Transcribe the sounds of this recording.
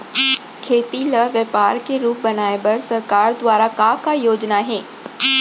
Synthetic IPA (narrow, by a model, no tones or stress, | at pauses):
kʰeːt̪iləʋjəpaːɾkeɾuːp̚bɐnaːebɐɾsɐɾkaːɾd̪ʋaːɾakakajoːd͡ʒnaɦẽː